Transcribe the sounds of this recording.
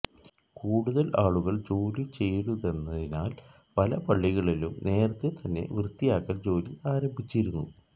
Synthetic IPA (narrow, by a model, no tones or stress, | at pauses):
kuːɽuðɐlaːɭuɣɐɭd͡ʑo̞ːlit͡ɕe̞jɽuðe̞nːɐðinaːl | pɐlɐpɐɭːiɣɐɭilumne̞ːrɐt̪ːet̪ɐnːe̞̰ʋrɨt̪ːijaːkːɐld͡ʑo̞ːliʔaːɾɐmbʱit͡ɕːiɾunːṵ